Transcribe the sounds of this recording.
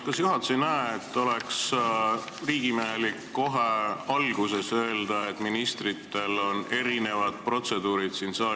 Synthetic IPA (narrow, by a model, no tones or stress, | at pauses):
kɑsjuɦɑt̪senæeet̪ːo̞leks | riːɡ̥imeɦelikːo̞ɦeɑlɡ̥use̞sø̞ːld̪ɑe̞t̪ːˑminist̪rit̪ːe̞lo̞ne̞ɾine̞vɑd̪̥̚pro̞t̪se̞d̪̥uːɾid̪̥sinsɑː